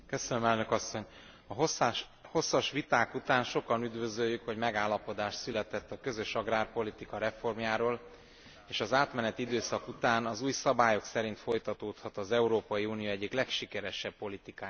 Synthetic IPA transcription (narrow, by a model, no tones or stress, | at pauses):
kø̞sønømɛlnø̞kɒsːo̞ɲ | ɒɦ | ho̞sːɒʃʋit̪aːkut̪aːnʃo̞kɒnyd̪vø̞zøjːykho̞ɟmɛɡaːlːɒpo̞d̪aːʃt̪sylɛt̪ɛt̪ːɒkø̞zø̞ʃɒɡraːrpo̞lit̪ikɒɾɛfo̞rmjaːɾoːl | eːʃɒzaːt̪mɛnɛt̪id̪øːsɒkut̪aːnɒzuːjsɒbaːjo̞ksɛɾint̪fo̞jt̪ɒt̪oːt̪hɒt̪ɒzɛuɾoːpɒjiuːnijoːɛɟːiklɛkʃikɛɾɛʃɛbːo̞lit̪ikaː